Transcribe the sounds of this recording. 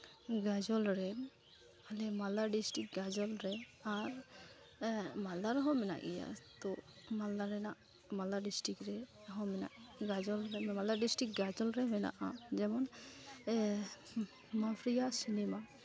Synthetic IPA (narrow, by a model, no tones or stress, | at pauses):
ɡad͡ʒɔlɾɛ | alɛmalaɖisʈik̚ɡad͡ʒɔlɾɛaɾ | malaɾɦɔ̃mɛna̰ʔḭja̰t̪ɔmalaɾɛnaʔ | malaɖisʈɾikɾɛɦɔ̃mɛna̰ʔɡad͡ʒɔlɾɛmmalaɖisʈɾik̚ɡad͡ʒɔlɾɛmɛna̰ʔad͡ʒɛmɔn | mapʰɾijasinɛma